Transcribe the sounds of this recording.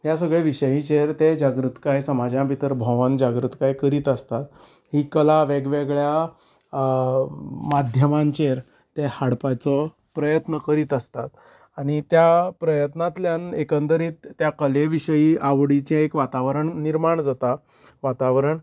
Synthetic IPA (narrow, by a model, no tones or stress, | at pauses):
ɦjasəɡɭeʋiɕəjĩt͡ɕeɾt̪ed͡ʑaɡɾut̪kajsəmad͡ʑãpit̪əɾbʱəʋənd͡ʑaɡɾut̪kajkəɾiːt̪əst̪at̪ | ɦiːkəlaʋeɡʋeɡɭja | mad̪ʱjəmãɲt͡ɕeɾ | t̪ehaɽpat͡sɔ | pɾəjət̪nəkəɾiːt̪əst̪at̪ | aɽ̃it̪japɾəjət̪nat̪ljanekənt̪əɾit̪ːjakəleʋiɕəjiʔaʋɽit͡ɕẽekʋat̪aʋɾəɳniɾmaɳd͡zat̪a | ʋat̪aʋɾəɳ